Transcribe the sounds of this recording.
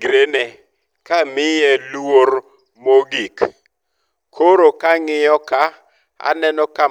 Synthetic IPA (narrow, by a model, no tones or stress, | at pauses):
ɡɾene | kamɪjɛluwoɾ | moɡik | kʰoɾokaŋɪjɔka | a̰nɛnɔka